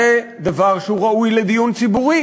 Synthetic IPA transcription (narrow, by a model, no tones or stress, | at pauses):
e | d̪avaʁʃeuʁaʔujled̪ijunt͡sibuʁi